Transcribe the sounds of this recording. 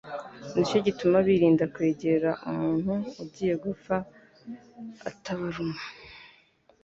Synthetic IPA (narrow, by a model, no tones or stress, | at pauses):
nit͡ʃoɟitumaβiɾiːndakwe̞ːɟe̞ɾaʔumuːn̥huubɟiːje̞ɡufa | a̰taβaɾuma